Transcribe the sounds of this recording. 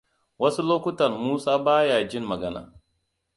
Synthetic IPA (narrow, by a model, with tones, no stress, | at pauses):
wɐ˦su˦loː˦kʷʊ˦tɐ˨rmuː˦saː˦baː˦jaː˨d͡ʒɪ˦˨mmɐ˨ɡɐ˦na̰ː˨